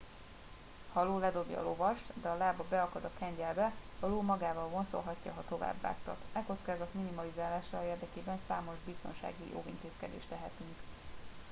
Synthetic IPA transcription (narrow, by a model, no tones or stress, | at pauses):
hɒloːlɛd̪o̞bjɒ̰lo̞vɒʃt̪d̪ɛɒlaːbɒbɛɒkɒd̪ɒkɛɲɟɛlbɛhɒloːmɒɡaːvɒlvonso̞̰lɦɒcːɒɦɒt̪o̞va̰ːbːa̰ːkt̪ɒ̰t̪ɛko̞t̪skaːzɒt̪minimɒlizaːlaːʃaeːrd̪ɛkeːbɛnsaːmo̞ʒbist̪o̞nʃa̰ːɡijʔo̰ːɡḭnt̪eːskɛd̪ḛːʃt̪ɛɦɛt̪yŋk